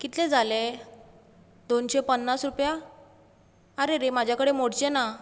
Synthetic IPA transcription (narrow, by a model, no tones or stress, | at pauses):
kit̪lẽd͡zʱale | d̪onɕepənːasɾupja | əɾeɾemad͡ʑʱjakəɽemoɽt͡ɕena